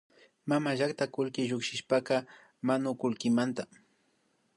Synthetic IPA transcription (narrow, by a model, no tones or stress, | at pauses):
mamaʒakt̪akʊlkɪʒʊkʃɪʃpakɑ | manʊkʊlkɪmant̪a